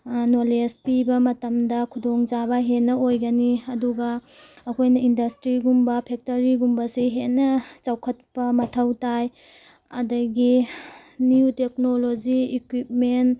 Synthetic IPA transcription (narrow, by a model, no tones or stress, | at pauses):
nolespibɐmɐtɐmdɐkʰudoŋd͡ʒabɐɦenːɐojɡɐniɐduɡɐːkʰojnɐindɐstɾiɡumbɐpʰek̚toɾiɡumbɐsiɦenːɐt͡ʃawkʰɐt̚pɐmɐtʰɐwtaj | ɐ̰dɐɡi | niutek̚nolod͡ʒiːkwip̚men